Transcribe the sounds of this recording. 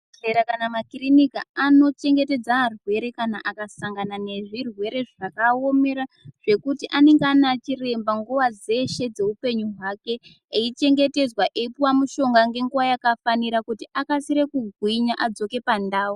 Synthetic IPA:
reɾakanamakirinikaano̞t͡ʃe̞ŋɡe̞te̞d͡zarwe̞ɾe̞kanaʔakasaŋɡanane̞ʐirwe̞ɾe̞ʐakao̞me̞ɾa | ʐ̥e̞kutiʔane̞ŋɡanat͡ʃire̞mbaŋɡuʋad͡ze̞ʃe̞d͡ze̞upe̞ɲuɦwake̞ | eit͡ʃe̞ŋɡe̞te̞zwaʔeipuwamuʃo̞ŋɡaŋɡe̞ŋɡuwajakafaniɾakutiakasiɾe̞kuɡʱwiɲaʔad͡zo̞ke̞pandaːwu

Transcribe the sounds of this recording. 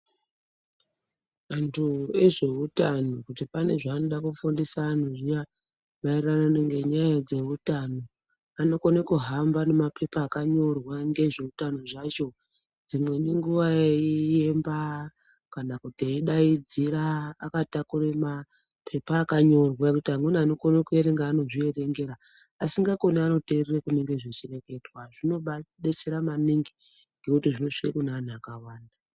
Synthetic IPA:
antʰue̞ʐe̞utanokutipane̞ʐaːnoɗakufundisaːnoʐija | mairananeŋɡe̞ɲajad͡ze̞utano̞ | ano̞konekuɦambane̞mapʰe̞paːkaɲo̞rwaŋɡe̞ʐe̞utanoʐat͡ʃo̞ | d͡zimwe̞neŋɡuʋaeie̞mba | kanakutiaiɗaid͡ziɾaːkatakurema | pʰe̞paːkaɲo̞rwakutiɦamwenaanokonokeɾeŋɡaːno̞ʐiere̞ŋɡe̞ɾaː | siŋɡako̞niano̞tererekune̞ŋɡe̞ʐet͡ʃire̞ke̞dwaʐino̞ɓaɗet͡seɾamaniŋɡi | ŋɡe̞kutiʐino̞ʂikakunaːnuakawaːnda

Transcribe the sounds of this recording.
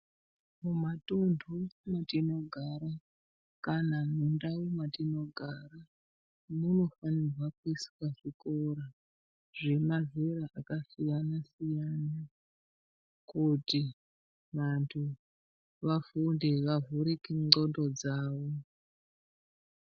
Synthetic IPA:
mumatundʱumatino̞ɡʱaɾa | kanamundawumatino̞ɡʱara | muno̞fanirwakuiswaʐikoɾa | ʐe̞maveɾaʔakasijanasijana | kuti | ʋantʰu | ʋafundeʋavuɾikiŋ͡ǀo̞ndo̞d͡zaːʋo̞

